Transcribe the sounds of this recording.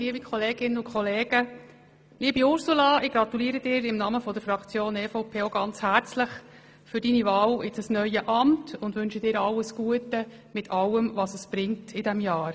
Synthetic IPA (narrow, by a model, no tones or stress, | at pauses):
liəbikχɔleːɡ̥ɪnːəʊnkʰχɔleːɡ̥ə | liəbiʊɾsulɑɪɡɾɑt̪uliːəɾəd̥ɪːɾɪmnɑməfɔd̪əɾfɾɑkt͡sjoːnɛːfoʊpʰeːoɡ̥ɑnt͡shæːɾt͡sləχ | fʏɾdiːniʋɑːwɪt͡səsnœʏəʔɑmtʊnd̪ʋʉnʃəd̥ɪːɾɑlːəsɡ̥uətə | mɪtʰɑlːəmʋɑsəsb̥ɾɪŋtʰɪdɛmjɑːɾ